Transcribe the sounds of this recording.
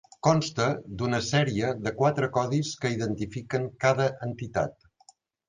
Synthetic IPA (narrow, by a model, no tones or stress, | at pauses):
kɔnst̪əd̪unəsɛɾiəðəkwat̪ɾəkɔðiskəiðənt̪ifikəŋkaðəʔənt̪it̪a̰t̪